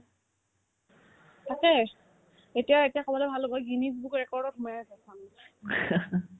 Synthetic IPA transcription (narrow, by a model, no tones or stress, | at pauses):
tʰakɛ | etijaetijakʰɔbɔlɔbʱalɔbɔɡinibbukɹɛkɔɹdɔtumajasɛsʰan